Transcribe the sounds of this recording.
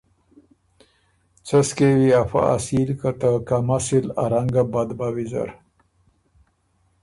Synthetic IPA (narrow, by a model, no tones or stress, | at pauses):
t͡səskewiafa̰a̰silkat̪akamasilaɾaŋɡabad̪bawiza̰ɾ